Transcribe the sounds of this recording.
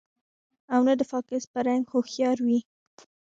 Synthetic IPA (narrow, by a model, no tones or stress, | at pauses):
awnəd̪əfɑkɪspəɾaŋɡxoxjɑɾwi